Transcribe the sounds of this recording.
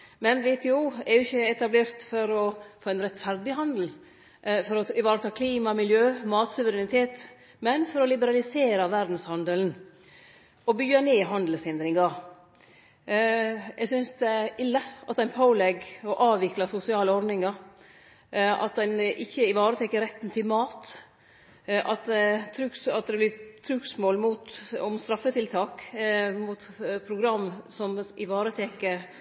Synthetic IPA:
mɛnʋɛt̪ʰɛuːɛɾjʊɪçːəɛt̪ɑbleːɾt̪fɔɾɔfoːɛɪnɾɛt̪fæɾd̪ɪɦɑnd̪l̩ | fɔɾɔɪʋɑːɾət̪ʰɑːkʰliːmɑmɪljøːmɑːt̪sʉʋəɾɛnɪt̪ʰeːt̪ | mɛnfɔɾɔlɪbəɾɑlɪseːɾɑʋæɾd̪n̩shɑnd̪əln | ɔbyːəneːɦɑnd̪l̩shɪnd̪ɾɪŋɑɾ | ɛɡsʏnsd̪ɛʔɪlːəʔɑt̪d̪ɛnpʰoʊlɛɡɔʔɑːʋɪklɑsʊsɪɑːləɔɾd̪nɪŋɑɾ | ɑ̰t̪̚d̪ɛnʔɪçːəɪʋɑːɾət̪ʰɛkːəɾɛt̪ːnt̪ʰɪlmɑːt̪ | ʔɑt̪̚d̪ɛt̪ʰɾʉksɑt̪̚d̪ɛblɪt̪ʰɾʉksmoːlmut̪ɔmst̪ɾɑfət̪ʰɪlt̪ʰɑːkmuːt̪pʰɾʊɡɾɑmːsɔmʔɪʋɑːɾət̪ʰɛkə

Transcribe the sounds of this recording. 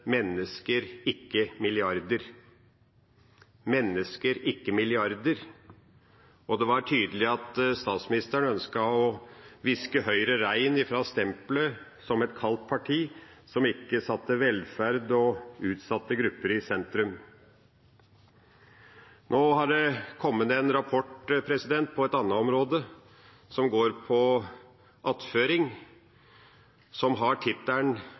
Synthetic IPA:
mɛnːəskəɾɪkːəmɪlɪɑɾd̪əɾ | mɛnːəskəɾɪkːəmɪlɪɑɾd̪əɾ | ɔd̪ɛʋɑʈʰyːd̪əlɪɑt̪st̪ɑːt̪smɪnɪst̪əɳœnskɑɔʋɪskəhœʏɾəɾæɪnɪfɾɑːst̪ɛmpləsɔmɛt̪kʰɑlt̪̚pʰɑʈʰiːsɔmɪkːəsɑt̪ːəʋɛlfæɾd̪ɔʉːt̪sɑt̪ːəɡɾʉpːəɾɪsɛnt̪ɾʉm | nʔoːhɑɖɛkʰɔmːət̪ɛnɾɑpʰɔʈpʰɾɛsɪd̪ɛnt̪̚pʰɔɛt̪ɑnːəɔmɾoːd̪ə | sɔmɡoːɾpʰɔ | ʔɑt̪føːɾɪŋ | sɔmɦɑʈʰɪt̪ːæɳ

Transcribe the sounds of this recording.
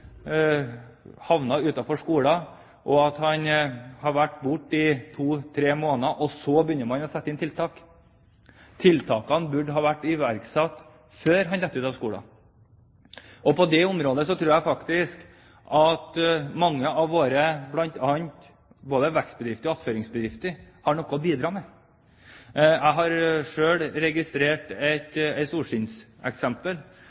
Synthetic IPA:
hɑʋnɑʉːt̪ɑfɔʂkuːlɑ | ʔɔɑt̪hɑnhɑɾʋæʈːbʊʈːɪt̪ʰuːt̪ʰɾeːmoːnɑʔɔsɔbəjʏnːəmɑnɔsɛt̪ːɪnt̪ʰɪlt̪ʰɑːk | t̪ʰɪlt̪ʰɑːkɑnbʉɖɦɑːʋæʈːɪʋæɾksɑːt̪ | føːɾɦɑnd̪ɛt̪ːəʉːt̪ɑʋskuːɽɑ̰ | ɔpʰɔd̪ɛʊmɾoːd̪əsɔt̪ʰɾʉːɾjæfɑkt̪ɪsk | ʔɑt̪mɑŋːəɑʋːoːɾəblɑnt̪ɑːnt̪ | boːd̪əʋækst̪bəd̪ɾɪft̪əɾɔɑt̪føːɾɪŋsbəd̪ɾɪft̪əɾhɑɳɔkːɔbiːd̪ɾɑːmɛ | æɪɦɑɾʂøːɽɾɛɡɪst̪ɾeːʈɛt̪ɛɪsuːʂɪnsɛ̰ksɛmpəl

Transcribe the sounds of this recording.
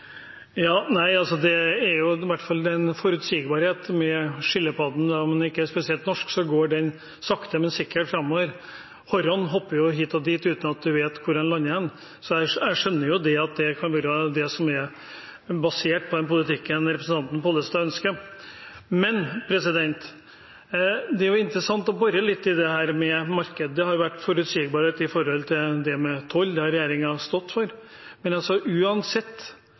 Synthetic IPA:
jɑːnæɪɑlsɔd̪ɛæɾjʊʋæʈːfɑlɛnfɔɾʉt̪siːɡbɑːɾheːt̪mɛʂɪlːəpɑd̪n̩d̪ɑɔmɛnɛɪkːəæʂpɛsɪɛlt̪nɔʂksɔɡoːɖɛn | sɑkt̪əmɛnsɪkːəʈfɾɑmːoːʋəɾ | hɔɾɔnɦɔpːəɾjʊɦiːt̪ɔd̪iːt̪ʉːt̪nɑt̪̚d̪ʉʋeːt̪kʰʊɾɑnlɑnːəɛn | sɔæɪæɪʂœnːəɾjʊd̪ɛɑt̪̚d̪ɛkʰɑnʋɑɾəd̪ɛsɔmɛɾ | bɑseːʈ̚pʰɔd̪ɛnpʊlɪt̪ɪkːənɾɛpɾəsn̩t̪ɑnt̪npoːlːəst̪ɑːœnskə | mɛnpʰɾɛsɪd̪ɛnt̪ | d̪ɛæɾjʊɪnt̪ɾəsɑnt̪ɔbɑɾəlɪt̪ːɪd̪ɛhæːɾmɛmɑɾkəd̪ːəhɑɾjʊʋæʈːfɔɾʉt̪siːɡbɑːɾt̪ɪfɔɾhɔlt̪ʰɪld̪ɛmɛt̪ʰɔld̪ɑɾɛjeːɾɪŋɑst̪ɔt̪ːfɔɾ | mɛnɑlsɔʔʉːɑnsɛt̪ː

